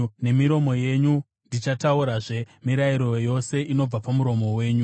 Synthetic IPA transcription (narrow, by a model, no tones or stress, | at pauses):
ne̞miɾo̞mo̞je̞ɲu | ndit͡ʃatauɾaʐe̞ | miɾaiɾo̞jo̞se̞ʔino̞b͡vapamuɾo̞mo̞we̞ːɲu